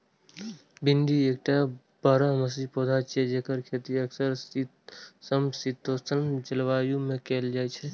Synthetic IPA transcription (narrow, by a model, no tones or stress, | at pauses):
bɪnd̪ieːk̚ʈa | baːɾaməs̬ipoːd̪ʱat͡ʃed͡ʒekəɾkʰeːt̪iəksəɾ | səmsit̪ost̪ʰənt͡ʃɪlʋaːjũmẽkeːld͡ʒaːɛt͡ʃʰɛ